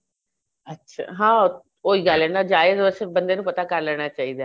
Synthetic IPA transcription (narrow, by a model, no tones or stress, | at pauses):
ətːʃʰa̰ːɦãː | oːiːɡalːɛːnaːd͡ʒaːɪzoəsɪbənd̪eːnũpət̪aːkəɾlɛːɽ̃aːt͡ʃaːiːd̪aː